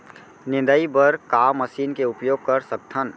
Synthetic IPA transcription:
nɪ̃nd̪əibəɾkaːmːəsiːnkeʊpjoːɡ̚kəɾsək̚t̪ʰən

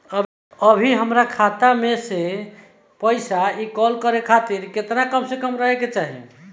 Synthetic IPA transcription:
ə | əbʱiɦəmɾakʰat̪amese | pəjsaikɔlkəɾekʰat̪iɾket̪nakəmsekəmɾəɦeket͡ʃaɦḭ

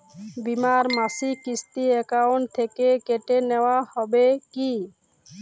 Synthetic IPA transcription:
bimaɾmasikist̪iɛkaɔnt̪ʰekekeʈenewahɔbeki

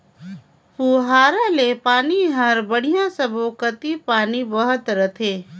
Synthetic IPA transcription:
puɦaːɾalepaːniɦɐɾbəɽ̤ijãsəbʱokət̪ipaːnibɐɦʊt̪ɾət̪ʰeː

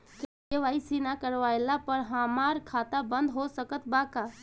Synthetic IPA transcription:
k | eʋaːisinakəɾʋaːjlapəɾɦaːmaːɾkʰaːt̪abə̃nd̪ɦosəkət̪baːka

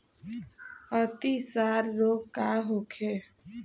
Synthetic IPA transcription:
ət̪isaːɾːoːɡkaɦoːkʰe

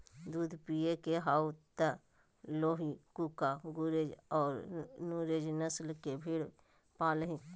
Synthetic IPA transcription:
d̪uːd̪ʱpijekeɦaːut̪ə | loːɦikukaɡʊɾeːd͡ʒɔːɾnuːɾeːd͡ʒnəslkebʱiːɽ | paːlɦĩ

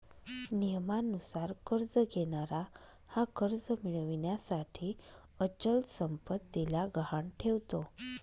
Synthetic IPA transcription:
nijəmanusaɾkəɾd͡zɡeɽ̃aɾa | hakəɾd͡zəmiɭʋiɳjasaʈʰiː | ət͡ɕəlsəmpət̪ːilaɡʱəaɳʈʰeʋt̪o

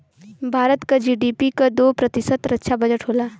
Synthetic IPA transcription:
bʱaːɾət̪kad͡ʒiːɖiːpikad̪oːpɾɐt̪ɪsəd̪ɾətːʃʰabɐd͡ʒəʈɦoːlaː

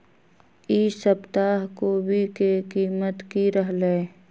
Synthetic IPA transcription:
isəpt̪aːɦkobʱikekiːmət̪kiɾəɦleː

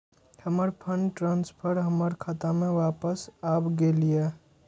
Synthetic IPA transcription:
həməɾpʰəɳɖʈɾãːnspʰəɾɦəməɾkʰat̪amẽʋaːpəsaːpɡelije

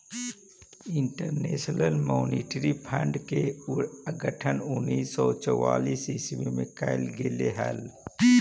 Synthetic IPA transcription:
ɪɳʈəɾneːʃnəlmoːniːʈɾipʰə̃ɳɖke | ɡəʈʰənʊnːiːsːɔːt͡ʃɔwaːliːsɪswemẽkaɪlɡeleɦɛl

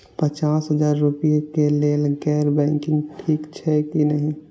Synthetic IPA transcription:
pət͡ʃaːsɦəzaːɾːʊpijekeleːlɡɛːɾbɛ̃ːŋkɪ̃ŋɡʈʰiːkt͡ʃʰɛkinəɦĩ

